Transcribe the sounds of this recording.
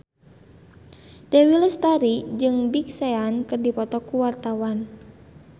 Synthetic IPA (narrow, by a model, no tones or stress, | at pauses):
dɛwiləst̪aɾid͡ʒɨŋbik̚sɛankɨrdipɔt̪ɔkuwart̪awan